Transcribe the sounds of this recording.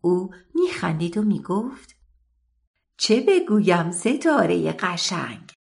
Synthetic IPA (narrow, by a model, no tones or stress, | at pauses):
uːmiːxænd̪iːd̪omiːɡoft̪ | t͡ʃʰe̞be̞ɡuːjæmse̞t̪ʰɒːɾe̞̰jḛɢæʃæ̰ŋɡ